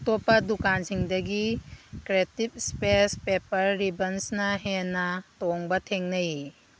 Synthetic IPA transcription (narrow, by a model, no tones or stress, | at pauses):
topːɐdukansiŋdɐɡikɾetip̚spespepɐɾːibɐnsnɐɦenːɐtoŋbɐtʰeŋnɐji